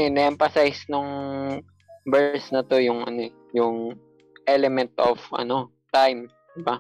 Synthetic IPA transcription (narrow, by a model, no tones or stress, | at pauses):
ɛnɐʔɛmfɐsajsnʊŋ | bɛsnɐt̪o̞jʊŋʔɐ̰no̞ɛ | jʊŋ | ʔɛlɛmɛnt̪ʔovʔɐ̰no̞ | t̪ajm | d̪ɪba